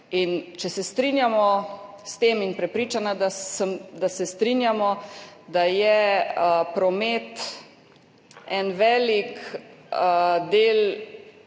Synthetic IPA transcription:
int͡ʃɛsɛst̪ɾinjamɔ | st̪eːminpɾɛpɾiːt͡ʃanad̪aɛmd̪asɛst̪ɾinjamɔd̪ajɛ | pɾɔmet̪ | ɛnʋɛːlik | d̪eːl

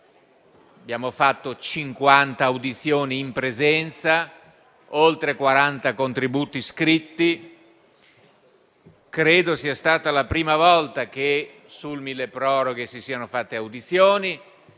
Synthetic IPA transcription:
abjaːmofat̪ːot͡ʃiŋkwant̪aːwd̪it̪sːjoːniːmpɾezɛnt̪sa | olt̪ɾekwaɾant̪akont̪ɾibuːt̪iskɾit̪ːi | kɾeːd̪osiːast̪aːt̪alapɾiːmavɔlt̪ak̟e | sulmilːepɾɔːɾoɡesisiːanofat̪ːeawd̪it̪sjoːni

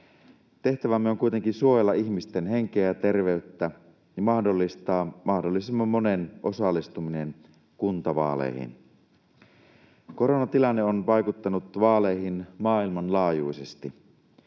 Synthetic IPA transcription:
t̪e̞ht̪æʋæmːeoŋkuit̪eŋkinsuojelːɑiçmist̪enheŋkeːjt̪erʋeyt̪ːæ | jɑmɑhdolːist̪ɑːmɑhdolːisemːɑmːonenʔosɑlːˑist̪uminen | kunt̪ɑʋɑ̰ːlḛihḭn | ko̞ronɑt̪ilɑnːeonʋɑjkut̪ːɑnut̪ʋɑːleihinmɑːilmɑnlɑːjuisest̪i

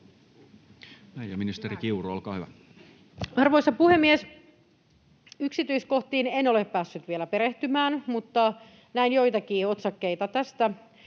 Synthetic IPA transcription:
næijjominist̪eɾikiuruolkɑːhyʋæ̰ | ɑrʋoisɑpuhemːies | yksit̪yiskoht̪iːnenoleppæːsːyt̪ʋielæpeɾeht̪ymæːnmut̪ːɑ | næinjo̞it̪ɑkiːot̪sɑkːeit̪ɑt̪æst̪æ

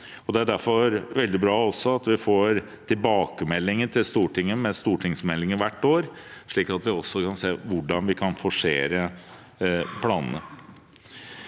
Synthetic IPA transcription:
ɔd̪ɛæɖæɾfɔɾʋɛld̪ɪbɾɑːɔsɔɑt̪ʋɪfoːɾ | t̪ʰɪlbɑːkəmɛlːɪŋənt̪ʰɪlst̪uːʈɪŋːəmɛst̪uːʈʰɪŋsmɛlːɪŋəʋæʈːoːɾʂɭiːkɑt̪ʋɪɔsːɔkɑnseːʋʊɖɑnʋɪkʰɑnfɔʂḛːɾə | pʰlɑːnənə̰

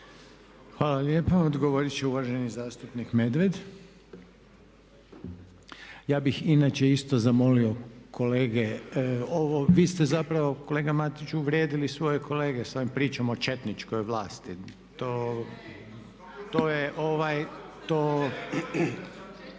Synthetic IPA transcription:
xʋaːlaljepaod̪ɡoʋoɾit͡ɕeuʋaʒe̞nizaːst̪upnikme̞d̪ʋed̪ | jaːbixinaːt͡ʃe̞ist̪o̞zamo̞lio̞kʰo̞le̞ːɡeoʋoʋiːst̪ezapɾaʋo̞ko̞le̞ːɡamat̪it͡ʃuʋɾʲjed̪ilisʋo̞jeko̞le̞ːɡesoimpɾiːt͡ʃamo̞t͡ʃe̞t̪nit͡ʃko̞jʋlaːst̪i | t̪oː | t̪oːjeʔoʋajt̪oː

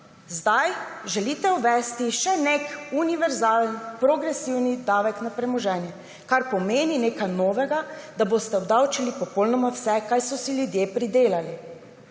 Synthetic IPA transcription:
zd̪ajʒɛliːt̪ɛuʋɛst̪iʃɛnekuniʋɛɾzaːlnpɾoɡɾɛsiwnid̪aːʋɛknapɾɛmɔʒɛːnjɛ | kaɾpɔmeːnineːkajnoːʋɛɡad̪aboːst̪ɛɔd̪awt͡ʃilipɔpɔlnɔmawsɛkajsɔsiljud̪jeːpɾid̪eːlali

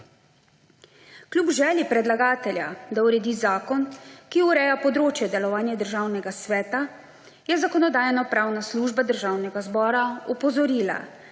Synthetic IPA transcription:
klʲjubʒɛːljipɾɛd̪laɡaːt̪ɛlja̰d̪auɾɛd̪izaːkɔnkiuɾɛjapɔd̪ɾoːt͡ʃjɛd̪ɛlɔʋaːnjɛd̪əɾʒaːwnɛɡasʋɛːt̪a | jɛzakɔnɔd̪aːjnɔpɾawnasluːʒbad̪əɾʒawnɛɡazbɔːɾaɔpɔzɔɾiːla̰

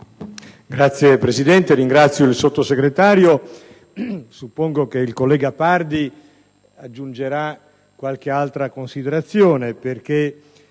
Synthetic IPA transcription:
ɡɾat̪sːjepɾesid̪ɛnt̪eɾiŋɡɾat̪sːjoilsot̪ːoseɡɾet̪aːɾjo | supːoŋɡokeilkolːɛːɡapard̪i | ad͡ʒːund͡ʒeɾa | kːwalkealt̪ɾakonsid̪eɾat̪sːjoːneperk̟e

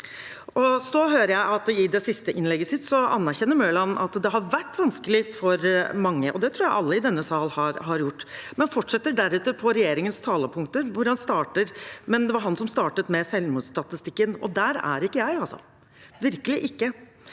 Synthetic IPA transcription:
ɔsɔɦøːɾəɾjæɪʔɑt̪ɪd̪ɛsɪst̪əʔɪnlɛɡːəsɪt̪ːsɔɑ̰nːæɾçɛnːəɾmøːlɑnʔɑ̰t̪d̪ɛɦɑɾʋæʈːʋɑnskəlɪfɔɾmɑŋːəʔɔd̪ɛt̪ʰɾuːɾjæɪʔɑlːəɪd̪ɛnːəsɑːlhɑɾhɑɾjʊʈːmɛnfɔʈːʂɛt̪ːəɖæɾʉːt̪ːəpʰɔɾɛjeːɾɪŋənst̪ʰɑːləpʰʊŋkt̪əɾʋʊɾhɑnst̪ɑːʈəɾmɛnd̪ɛʋɑɾɦɑnsɔmst̪ɑːʈət̪mɛsɛlmʊst̪ɑt̪ɪst̪ɪkːənɔ̰d̪æɾæ̰ɾɪkːəjæɪɑlsɔ̰ | ʋɪɾkəlɪʔɪkːə

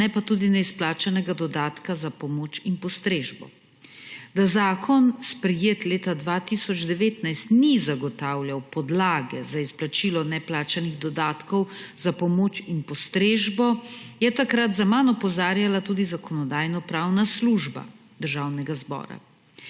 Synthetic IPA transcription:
nɛpat̪uːd̪inɛisplaːt͡ʃanɛɡad̪ɔd̪aːt̪kazapɔmoːt͡ʃinpɔst̪ɾeːʒbɔ̰ | d̪azaːkʰɔnspɾɛjeːt̪leːt̪ad̪ʋat̪isɔd͡ʒd̪ɛʋeːt̪najst̪nizaɡɔt̪awljawpɔd̪laːɡɛzaisplat͡ʃilɔnɛplaːt͡ʃaniɣd̪ɔd̪aːt̪kɔwzapɔmoːt͡ʃinpɔst̪ɾeːʒbɔjɛt̪akɾat̪zamanɔpɔzaːɾjalat̪uːd̪izakɔnɔd̪aːjnɔpɾaːwnasluʒba̰ | d̪əɾʒaːwnɛɡazbɔ̰ːɾa̰

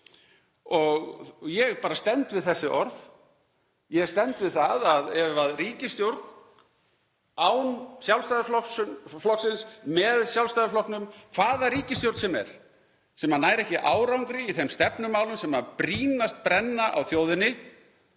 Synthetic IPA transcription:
ɔɣjɛɣpaːɾast̪ɛnt̪vɪðθɛsːɪʔɔɾv | jɛɣst̪ɛnt̪vɪðθaðaðɛvaðriːcɪst̪jowɾt̪n | aːwnsjawlst̪ajðflɔsʏflɔksɪnsmɛðsjawlst̪ajðaflɔhknʏmkʰv̥aːðariːcɪst̪jowɾt̪sɛmɛ̰ɾ̥ | sɛmanaːjɾɛhcɪʔaːwɾawŋkɾɪiθɛmst̪ɛpnʏmaːwlʏmsɛːmapɾiːnast̪̚pɾɛnːaʔa̰wθjoːwðɪnːɪ

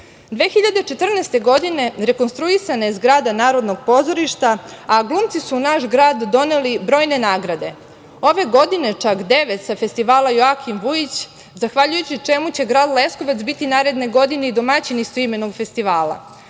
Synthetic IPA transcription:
d̪ʋeːxiʎad̪et͡ʃe̞t̪r̩neːst̪e̞ɡo̞d̪ine̞ɾe̞ko̞nst̪ɾuisanaezɡɾaːd̪anaːɾo̞d̪no̞ɡ̚po̞zo̞ɾiʃt̪aːɡlˠuːmt̪sisuːnaʃɡɾaːd̪ːo̞nelibɾo̞ːjne̞naːɡɾad̪e̞ | o̞ʋe̞ɡo̞d̪ine̞t͡ʂakd̪e̞ʋe̞t̪safe̞st̪iʋaːlajoakʰimʋujit͡ɕ | zaxʋaʎujut͡ɕit͡ʂemut͡ɕe̞ɡɾaːd̪lˠe̞sko̞ʋat̪sbit̪inaːɾe̞d̪ne̞ɡo̞d̪ine̞id̪o̞mat͡ɕinisuime̞no̞ɡfe̞st̪iʋaːlˠa̰

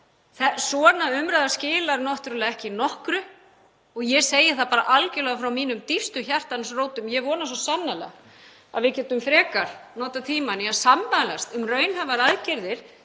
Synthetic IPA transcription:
θɛsɔːnaʏmɾajðascɪːlaɾnɔht̪ɾʏlaɛhcɪnɔhkɾʏ | ɔɣjɛseːjɪ̥θapaːɾaʔalcɪlɔːɣafɾawmiːnʏmt̪ifst̪ʏçar̥t̪ansroːwt̪ʏmjɛvɔːnas̬ɔsanːala̰ɣ | a̰ðvɪðcɛːt̪ʏmfɾɛːkaɾ̥nɔːt̪at̪ʰiːmaniasampalast̪ʏmrœːɥnɦavaɾaðcɛɾðɪɾ̥

